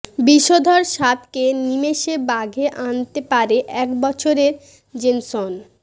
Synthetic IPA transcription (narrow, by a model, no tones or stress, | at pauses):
biʃod̪ʱoɾʃat̪kenimeʃebaɡʱeʔant̪epaɾeʔɛkbɔt͡ɕʰoɾeɾ | d͡ʑenson